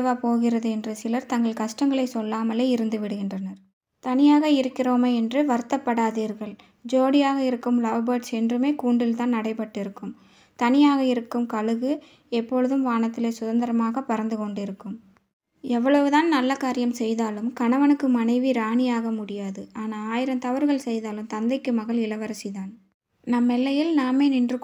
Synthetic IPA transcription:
ʋaːpoːɣɪrɐðɯɛndrɯsɪlɐɾt̪ɐŋɡɐɭkɐʂʈɐŋɡɐɭɐɪsɔlːaːmɐleːɪɾɯnd̪ɯʋɪɽɯɣɪndrɐnɐɾ | t̪ɐnɪjaːɣɐɪɾɯkːɪroːmeɛndrɯʋɐɾɯt̪ːɐpːɐɽaːðiːɾɣɐɭ | d͡ʒoːɽɪjaːɣɐɪɾɯkːɯmlɐʋbɐʈsɛndrɯmeːkuːɳɖɪlt̪aːnnɐɽɐɪpɐʈːɪɾɯkːɯm | t̪ɐnɪjaːɣɐɪɾɯkːɯmkɐɭɯɣɯ | ɛpːɔɻɯðɯmʋaːnɐt̪ːɪleːsʊðɐnd̪ɐɾɐmaːɣɐpɐɾɐnd̪ɯkɔɳɖɪɾɯkːɯm | ɛʋːɐɭɐʋɯðaːnnɐlːɐkaːɾɪjɐmsɛjðaːlɯmkɐɳɐʋɐnɯkːɯmɐnɐɪʋiɾaːɳɪjaːɣɐmʊɽɪjaːðɯaːnaːaːjɪɾɐmt̪ɐʋɐɾɣɐɭsɛjðaːlɯmt̪ɐnd̪ɐɪkːɯmɐɣɐɭɪlɐʋɐɾɐsiðaːn | nɐmːɛlːɐjɪlnaːmeːnɪndrɯ

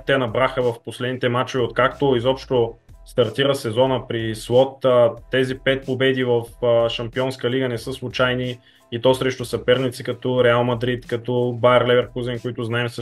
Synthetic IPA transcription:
t̪ɛnɐbɾaxəvɐfposlɛd̪nit̪ɛmat͡ʃovɛot̪kakt̪oizɔpʃt̪o | st̪ɐɾt̪iɾəsɛzɔnəpɾislˠɔt̪ːɛzipɛt̪̚pobɛd̪ivəfʃɐmpiɔnskəliɡənɛsɤslˠʊt͡ʃajniː | t̪ɔsɾɛʃt̪ʊsɐpɛɾnit̪sikɐt̪ɔɾɛalˠmɐd̪ɾit̪kɐt̪ɔbaɛɾlɛvɛɾkuzɛnkoit̪ʊznaɛms

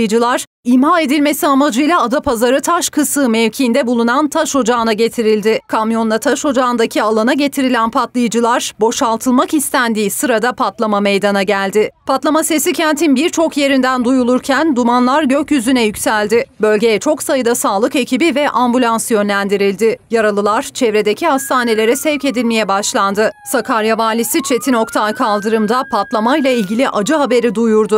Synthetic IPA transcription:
jd͡ʒɯlˠaɾ̥ | imhaːe̞d̪ilʲme̞siamad͡ʒɯjlʲˠaːd̪apʰazaɾɯt̪ʰaʃkʰɯsɯmɛvcʰind̪ɛbulˠunant̪ʰaʃo̞d͡ʒaɯnaɟe̞t̪ʰiɾilʲd̪ɪkʰamjo̞nd̪ˠat̪ʰaʃo̞d͡ʒaɯnd̪acʰialˠanaɟe̞t̪ʰiɾilʲænpʰat̪lˠɯjɯd͡ʒɯlˠaɾbo̞ʃalˠt̪ʰɯlˠmakist̪ʰænd̪iːsɯɾad̪apʰat̪lˠamame̞jd̪anaɟælʲd̪ɪpʰat̪lˠamase̞sicʰɛnt̪ʰinbiɾt͡ʃʰo̞kje̞ɾind̪ænd̪ujulˠuɾcʰænd̪umanlˠaɾɟøcjyzynɛjycsælʲd̪ɪbø̞lʲɟe̞jɛt͡ʃʰo̞ksajɯd̪asaːlˠɯke̞cibivɛʔambulʲansjø̞nlʲænd̪iɾilʲd̪ɪjaɾalˠɯlˠaɾ̥t͡ʃʰɛvɾe̞d̪e̞cʰihast̪ʰaːne̞lʲe̞ɾɛsɛvce̞d̪ilʲmejɛbaʃlˠand̪ɯsakʰaɾjavaːlʲisit͡ʃʰe̞t̪ʰino̞kt̪ʰalˠkʰalˠd̪ɯɾɯmd̪apʰat̪lˠamajlˠailʲɟilʲiʔad͡ʒɯɦabe̞ɾid̪ujuɾd̪ʊ

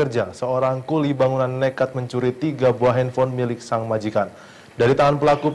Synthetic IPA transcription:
ərd͡ʒasəoɾaŋkulibaŋunanːekat̪̚məɲt͡ʃuɾit̪iɡabuaɦɛnfɔnmilɪk̚saŋmad͡ʒikan | daɾit̪aɦanpəlaku

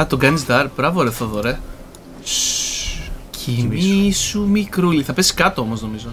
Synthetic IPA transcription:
ɐt̪oɡɐnisd̪ɐɾb̥ɾɐvoɾeθoðoɾe | cimisumikɾuliθɐpesi̥skɐt̪oomo̞zno̞mizo̞

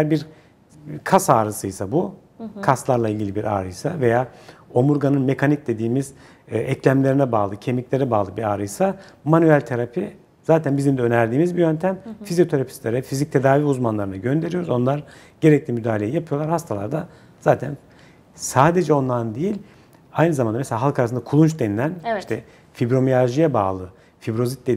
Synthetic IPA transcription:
jæɾbiɾ | kʰasaːɾɯsɯjsabu | kʰaslˠaɾlˠailʲɟʲilʲibiɾʔa̰ːɾɯjsave̞jaːo̞muɾɡanɯnme̞kʰanic̚d̪e̞d̪iːmiz̥ | ɛclʲæmlʲeɾinɛbaːlˠɯcʰe̞miclʲe̞ɾɛbaːlˠɯbiɾaːɾɯjsa | manyælʲt̪ʰeɾapʰi | z̥aːt̪ʰænbizimd̪ɛønæɾd̪iːmizbijø̞nt̪ʰæmfizijo̞t̪ʰeɾapʰi̥slʲeɾɛfizic̚t̪ʰe̞d̪aːviːuzmanlˠaɾɯnɯɟø̞nd̪e̞ɾijoɾuzo̞nlˠaɾ | ɟe̞ɾɛc̚lʲimyd̪aːlʲejjapʰɯjo̞lˠaɾhast̪ʰalˠa̰ɾd̪a | z̥aːt̪ʰæn | saːd̪e̞d͡ʒɛo̞nlˠand̪ejilʲ | ajnɯzamand̪ameseaːɦalˠkʰaɾasɯnakʰulˠunt͡ʃd̪e̞nilʲæniʃt̪ʰɛ | fibɾo̞miaʒijɛba̰ːlˠɯ | fibɾo̞zit̪̚d̪e

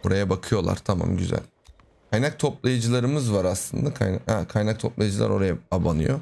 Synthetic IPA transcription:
boɾajabakʰɯjo̞lˠa̰ɾ̥t̪ʰama̰mɟyzæ̰lʲ | kʰajnak̚t̪ʰo̞plˠajɯd͡ʒɯlˠaɾɯmɯzvaɾaslˠɯnd̪akʰajnahɛkʰajnak̚t̪ʰo̞plˠajɯd͡ʒɯlˠa̰ɾo̞ɾajaabanɯ̰jo

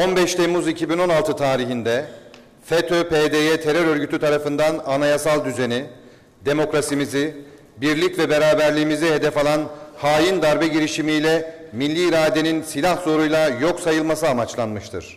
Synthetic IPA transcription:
o̞nbɛʃt̪ʰemuzicʰibino̞nalˠt̪ʰɯt̪ʰaːɾiɦind̪ɛ | fet̪ʰøpʰed̪ejɛt̪ʰe̞ɾøɾø̞ɾɟyt̪ʰyt̪ʰaɾafɯnd̪ananajasalˠd̪yze̞ni | d̪e̞mo̞kɾasimizi | biɾlʲicvɛbe̞ɾaːbæɾlʲiːmizihe̞d̪ɛfalˠanhaːjind̪aɾbɛɟiɾiʃimijlʲɛ | milʲːiːɾaːd̪e̞ninsilʲahzo̞ɾujlˠajo̞ksajɯlˠmasɯamat͡ʃlˠanmɯʃt̪ʰɯ̰ɾ̥

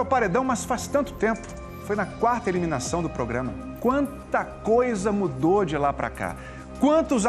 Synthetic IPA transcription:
wpaɾed̪ɐ̃w̃mɐsfast̪ɐ̃nt̪ʊ̥t̪ẽmpʊ̥ | fojnɐkwaɾt̪ɐelimĩnasɐ̃w̃d̪ʊpɾoɡɾɐ̃mɐ̰ | kwɐ̃nt̪ɐkojzɐmud̪od͡ʒɪlapɾʔɐ̰ka̰ | kwɐ̃nt̪ʊz

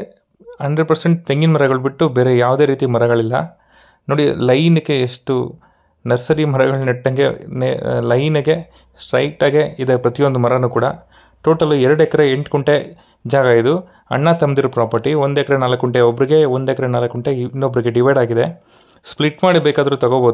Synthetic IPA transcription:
ɐɳɖɐɖ̚pɐɾseɳʈ̚t̪eŋɡinmɐɾɐɡɐɭubiʈːubeːɾejaːʋd̪e̞ːɾiːt̪imɐɾɐɡɐɭilːɐ̰ | noːɽilɐjnɐkːeːʂʈu | nɐɾsɐɾimɐɾɐɡɐɭniʈːɐŋɡe̞nelɐjnɐɡe̞ | sʈɾɐjʈaːɡeid̪ɐpɾɐt̪ijo̞nd̪umɐɾɐnuːkuːɽɐ | ʈoːʈɐluɛɾɐɽɛkɐɾeeɳʈkuɳʈe | d͡ʒaːɡɐid̪u | ɐ̰ɳːat̪ɐmd̪iɾɐpɾaːpɐɾʈiond̪ɛkɐɾenaːlɐkːuɳʈeobɐɾiɡe̞ond̪ɛkɐɾenaːlɐkːuɳʈeinːobɐɾiɡe̞ɖiʋɐjɖaːɡid̪e̞ | spliʈmaːɽibeːkaːd̪ɐɾuːt̪ɐɡoboːd̪u

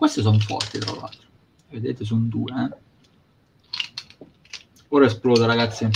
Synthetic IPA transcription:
kwest̪ɪs̬ɔɱfɔ̰rt̪it̪ɾa̰la̰lt̪ | ved̪ḛːt̪ɪs̬und̪uːe | oːɾaesploːdaɾaɡat̪sːjam

